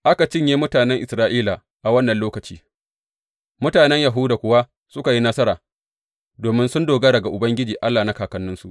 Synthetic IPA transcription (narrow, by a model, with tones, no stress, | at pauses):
ʔa˦ka˨t͡ʃɪ˦ɲjeː˦mʊ˦taː˨nɛ˦ŋʔɪ˨sɾaː˦ʔiː˦la˨ | ʔa˨wɐ˦nːɐ˨nloː˦kɐ˨t͡ʃḭː˦ | mʊ˦taː˨nɛ˦ɲja˨ɦu˦daː˨kʷʊ˦wa˦ | sʊ˦ka˨ji˦na˦sɐ˦ɾaː˨ | doː˨mɪ˦nsʊ˦ndoː˨ɡɐ˦ɽɐ˨ɡa˨ʔʊ˨bɐ˦ŋɡʲɪ˦d͡ʒiː˨ʔa˦lːaː˨na˦kaː˨kɐ˨nːʊ˦nsu˨ʔ